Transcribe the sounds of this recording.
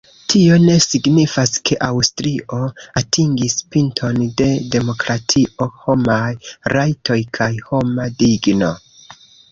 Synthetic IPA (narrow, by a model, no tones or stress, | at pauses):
tʰio̞ne̞siɡnifaskʰe̞ʔawstɾiʔo̞atʰiŋɡispintʰo̞nde̞de̞mo̞kɾatʰiʔoho̞majɾajtʰo̞jkʰajho̞madiɡno̞